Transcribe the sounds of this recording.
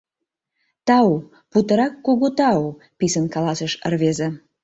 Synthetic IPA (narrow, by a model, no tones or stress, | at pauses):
t̪ɑu | put̪əɾɑkːoɣot̪ɑo | pisənkɑlɑsəʃə̰rβeze